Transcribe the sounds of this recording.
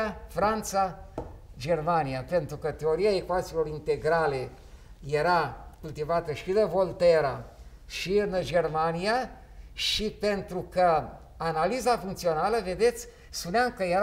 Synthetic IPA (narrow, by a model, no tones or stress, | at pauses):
afɾant̪sa | d͡ʒe̞rmaniape̞nt̪ɾukət̪e̞o̞ɾiaekoat̪silo̞ɾint̪e̞ɡɾale̞ | je̞ɾakult̪ivat̪əʃid̪evo̞lt̪eɾa | ʃiɨnd͡ʒe̞rmania | ʃipe̞nt̪ɾukə | analizafuŋkt̪sio̞naləve̞d̪e̞t̪sʲ | spuneamkəjeɾ